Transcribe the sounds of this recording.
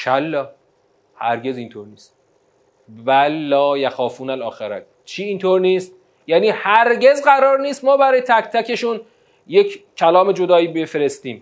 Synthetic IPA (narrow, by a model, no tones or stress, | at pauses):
ʃælːɒː | hæ̰ɾɟe̞zint̪ʰoɾniːst̪̚ | vælːɒːjæxɒːfuːnælɒːxeɾæ̰k | t͡ʃʰiːint̪ʰoːɾniːst̪̚ | jæːniːhæɾɟe̞zɢæɾɒːɾniːst̪mɒːbæɾɒːjet̪ʰækt̪ʰæke̞ʃun | jekʰkʰːælɒːme̞d͡ʒo̞d̪ɒːiːbefeɾe̞st̪iːm